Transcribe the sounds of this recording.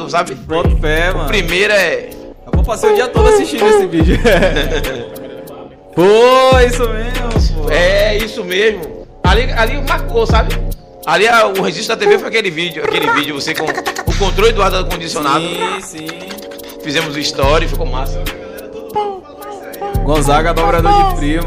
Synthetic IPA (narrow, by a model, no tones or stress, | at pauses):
ʊsabɪpɾõt̪pɛm̃pɾimejɾɐɛ | abõpasejud͡ʒiɐt̪od̪ʊasiʃt͡ʃĩd̪ʊesɪvid͡ʒʊ | poisʊmeʒmɛisʊmezmʊ | alialimaɾkosabɪ | aliaʊheʒiʃt̪ʊd̪ɐt̪evefojakelɪvid͡ʒjʊakelivid͡ʒʊvosekõʊkõnt̪ɾoljʊd̪uad̪akõd͡ʒisiõnad̪ʊsĩ | fizẽmʊzũiʃt̪ɔɾɐifikõmasim | t̪od̪o | ɡõzaɡɐd̪ɔbɾad̪od͡ʒipɾĩmɐ